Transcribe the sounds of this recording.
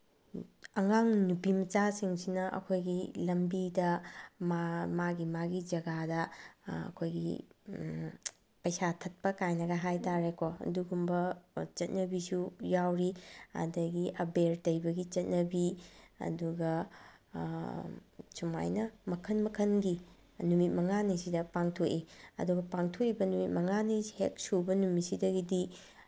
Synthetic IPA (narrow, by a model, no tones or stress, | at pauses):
ɐŋaŋnupimɐt͡ʃasiŋsinɐʔɐ̰kʰojɡilɐmbidɐmamaɡimaɡid͡ʒɐɡadɐɐ̰kʰojɡḭ | pɐjsatʰɐt̚pɐkajnɐɡɐɦajtaɾekoɐ̰duɡumbɐt͡ʃɐt̚nɐbisujawɾia̰dɐɡiʔɐbeɾtɐjbɐɡit͡ʃɐt̚nɐbiɐ̰duɡɐ | suma̰jnɐmɐkʰɐnmɐkʰɐnɡi | numit̚mɐŋanisidɐpaŋtʰokiɐ̰duɡɐpaŋtʰokibɐnumit̚mɐŋanihḛk̚subɐnumisidɐɡidi